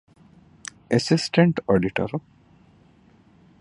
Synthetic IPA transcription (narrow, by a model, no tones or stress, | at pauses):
esisʈeɳʈɔːɖiʈɐ̰ɾu